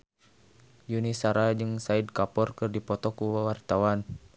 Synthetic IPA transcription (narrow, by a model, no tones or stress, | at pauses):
junisaɾad͡ʒɨŋsaid̚kapɔrkɨrdipɔt̪ɔkuwwart̪awan